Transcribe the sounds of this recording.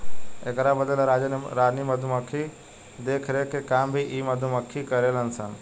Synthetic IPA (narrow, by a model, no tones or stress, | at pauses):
ekɾabəd̪əlɾaːd͡ʒnɾaːd͡ʒniməd̪ʱuməkʰːi | d̪eːkʰɾekekambʱiʔiːməd̪ʱuməkʰːikəɾelənsən